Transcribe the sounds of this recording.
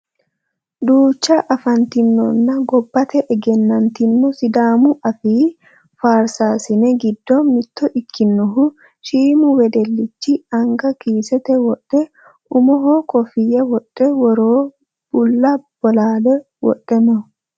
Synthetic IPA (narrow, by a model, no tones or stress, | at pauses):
d̪uːt͡ʃːɐʔɐfɐnt̪ɪnːɔ̰nːɐɡɔbːɐt̪ɛʔɛɡɛnːɐnt̪ɪnːɔsɪd̪aːmʊʔɐfiː | faːɾsaːsɪnɛɡɪd̪ːɔmɪt̪ːɔʔɪkʰːɪnːɔɦʊ | ʃiːmʊwɛd̪ɛlːɪt͡ʃːɪɐŋɡɐkiːsɛt̪ɛwɔᶑʼːɛ | ʔʊmɔɦokɔfɪjɐwɔᶑɛwɔɾoː | b̥ʊlːɐb̥ɔlaːlɛ | wɔ̰ᶑʼɛmɔ